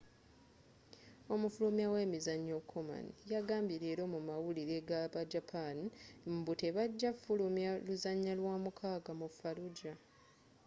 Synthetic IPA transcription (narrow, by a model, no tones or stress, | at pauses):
o̞mufulumjawe̞ːmizaɲːo̞kʰːoma̰njaɡaːmbiɾe̞ːɾo̞mumawuliɾe̞ɡaβad͡ʒapʰanmbute̞βaɟːafulumjaluzaɲːalwaːmukʰaːɡamufaluɟa